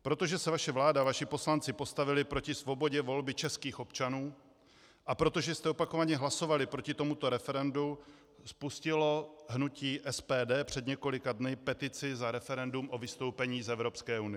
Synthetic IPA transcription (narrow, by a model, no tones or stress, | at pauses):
pɾo̞t̪o̞ʒɛsɛvaʃɛvlaːdavaʃɪpo̞slant͡sɪpo̞st̪avɪlɪpɾo̞cɪsvo̞bo̞ɟɛvo̞lbɪt͡ʃɛskiːxo̞pt͡ʃanuː | ʔapɾo̞t̪o̞ʒɛst̪ɛopako̞vaɲɛɦlaso̞valɪpɾo̞cɪt̪o̞mut̪o̞ɾɛfɛɾɛndu | spuscɪlo̞ɦnuciːʔɛspɛːdɛːpr̥ɛd̪ɲɛko̞lɪkadnɪpɛt̪ɪt͡sɪzaɾɛfɛɾɛndumʔo̞vɪst̪o̞wpɛɲiːzɛvɾo̞pskɛːunɪ